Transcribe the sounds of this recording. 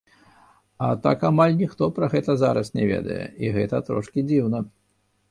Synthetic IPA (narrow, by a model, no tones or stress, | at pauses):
ɐt̪a̰kamalʲnʲixt̪ɔpɾɐɣɛt̪ɐzaɾɐsnʲɛvʲḛd̪ɐ̰jɛ̰iɣɛt̪ɐt̪ɾɔʂkʲid͡zʲiwnɐ